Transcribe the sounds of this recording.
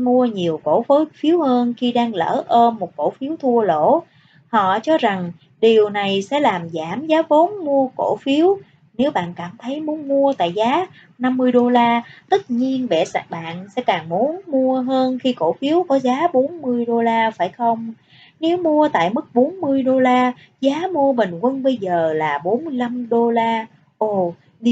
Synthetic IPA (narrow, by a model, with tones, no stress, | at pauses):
mu˧əɲi˨˩əwko̰˧˥fo˨˦fi˨˦əwhəː˧nxi˧ɗaː˧ŋlə̰ː˧˩ʔəː˧nmo˨˩t̚ko̰˧˩fi˨˦əwt̪ʰu˧əlo̰˧˩˥ | hɔ̰˧˨t͡ɕɔ˧za˨˩ŋ | ɗi˨˩əwna˨˩jsɛ̰˧˥laː˨˩mzaː˧˩mzaː˨˦vo˨˦nmu˧əko̰˧˥fi˨˦əw | ne˨˦wɓa̰ː˧˨nkaː˧˩mt̪ʰə˨˦jmu˨˦ənmu˧ət̪a̰ː˧˨jzaː˨˦ | na˧mːɨ˧əjɗo˧laː˧t̪ə˦˥t̚ɲi˧ənvɛ̰˧˩sa˨˩ɓa̰ː˧˨nsɛ̰˧˥kaː˨˩ŋmu˨˦ənmu˧əɦəː˧nxi˧ko̰˧˩fi˨˦əwkɔ˨˦zaː˨˦ɓo˨˦nmɨ˧əjɗo˧laː˧faː˧˩jxə˧wŋ͡m | ne˨˦wmu˧ət̪a̰ː˧˨jmɨ˦˥k̚ɓo˨˦nmɨ˧əjɗo˧laː˧ | zaː˨˦mu˧əmï˨˩ŋ̟kwə˧nɓə˧jzəː˨˩laː˨˩ɓo˨˦nmɨ˧jla˧mɗo˧laː˧ | ʔo˨˩ | ɗi˧